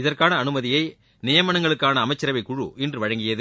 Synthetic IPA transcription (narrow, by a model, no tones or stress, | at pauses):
ɪðɐrkaːnɐːnɯmɐðɪjɐɪ | nɪjɐmɐnɐŋɡɐɭɯkːaːnɐːmɐɪt͡ʃːɐɾɐʋɐɪkʊɻṵʔɪndrɯʋɐɻɐŋɡɪjɐðɯ